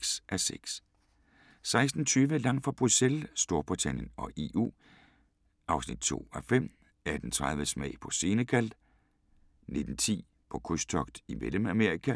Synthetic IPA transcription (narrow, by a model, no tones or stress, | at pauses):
ɡ̥sʔæseɡ̥s | sɑ̈ɪsd̥n̩t͡sʰyːʋəlɑ̈ŋ̰fʁɑ̈b̥ʁuselsd̥o̝ɐb̥ʁit͡sʰæn̰jənɒ̽ʔe̝ʔṵː | ʔɑ̈ʊsnid̥̚t͡sʰo̝̰ːæfem̰ | æɐd̥ent͡sʰʁɑð̞ˠʋəsmɛ̰ɪ̰pʰɒ̽se̝ːnəkʰæl̰d̥ | ne̝d̥n̩t͡sʰḭː | pʰɒ̽kʰusd̥ʰɒ̽ɡ̥d̥imeləmæmeɐikʰæ